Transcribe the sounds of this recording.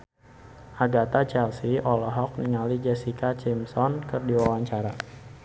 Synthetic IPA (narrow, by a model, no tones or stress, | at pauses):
ʔaɡat̪at͡ʃɛlsiɔlɔɦɔk̚niŋalid͡ʒɛsikat͡ʃɛmsɔnkɨrdiwawaɲt͡ʃaɾa